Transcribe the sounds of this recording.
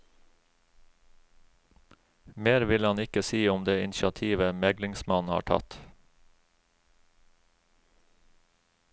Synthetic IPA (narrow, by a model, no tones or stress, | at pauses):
meːɾʋɪlɑnɪkəsiːʊmd̪eːɪnʃɑt̪ʰiːʋəmɛɡlɪŋsmɑn̩hɑ̰ːʈʰɑ̰t̪